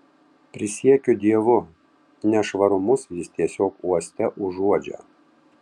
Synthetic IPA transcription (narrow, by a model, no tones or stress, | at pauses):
pʲɾʲɪsʲiɛkʲʊd̪ʲiɛʋʊ | nʲɛʃʋɐɾʊmʊsjɪst̪ʲiɛsʲoːkuɔsʲt̪ʲɛʔʊʒuɔd͡ʒʲæ̰ː